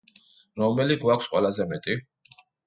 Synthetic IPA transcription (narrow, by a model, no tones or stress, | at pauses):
ɾɔmɛliɡwakʰfsqʼwɛ̰lazɛmɛt̪ʼi